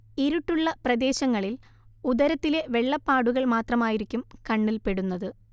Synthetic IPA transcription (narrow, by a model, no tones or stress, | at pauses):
iɾuʈːuɭːɐprɐd̪e̞ːɕɐŋːɐɭil | uðɐɾɐt̪ːile̞ʋe̞ɭːɐpːaːɽuɣɐɭmaːt̪rɐmaːjiɾikʲːumkɐɳːilpe̞ɽunːɐðɨ